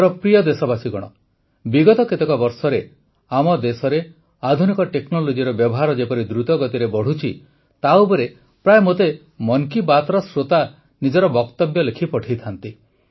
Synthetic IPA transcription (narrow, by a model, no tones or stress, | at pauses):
ɾɔpɾijɔd̪esɔbasiɡɔɽ̃ɔ | biɡɔt̪ɔket̪ekɔbɔɾsɔɾe | amɔd̪esɔɾe | ad̪ʱunikɔʈeknɔlod͡ʒiɾɔbjɔbɔɦaɾɔd͡ʒepɔɾid̪ɾut̪ɔɡɔt̪iɾebɔɽ̤ut͡ʃʰi | t̪awpɔɾe | pɾajmot̪e | mɔŋkibat̪ɾɔsɾot̪a | nid͡ʒɔɾɔbɔkt̪ɔbjɔlekʰipɔʈʰit̪ʰant̪i